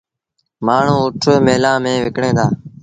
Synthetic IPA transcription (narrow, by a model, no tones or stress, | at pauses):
maːɳ̤ũːʊʈʰːmeːlãːmẽːʋɪkɳẽːd̪aː